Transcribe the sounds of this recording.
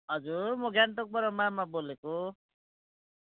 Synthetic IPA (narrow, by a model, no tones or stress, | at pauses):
ɦʌd͡zurmʌɡjanʈ̪ok̚bʌɾʌmamaboleko